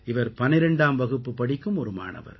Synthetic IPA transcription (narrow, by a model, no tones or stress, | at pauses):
ɪʋɐɾpɐnɪɾɛɳɖaːmʋɐɣɯpːɯpɐɽɪkːɯmɔɾɯma̰ːɳɐ̰ʋɐ̰ɾ